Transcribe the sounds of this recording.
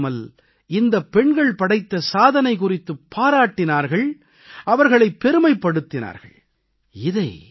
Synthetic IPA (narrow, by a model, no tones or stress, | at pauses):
mɐl | ɪnd̪ɐpːɛɳɡɐɭpɐɽɐɪt̪ːɐsaːðɐnɐɪkʊrɪt̪ːɯpʰːaːɾaːʈːɪnaːɾɣɐɭ | ɐʋɐɾɣɐɭɐɪpːɛɾɯmɐɪpːɐɽɯt̪ːɪna̰ːɾɣɐ̰ɭ | ɪðɐɪ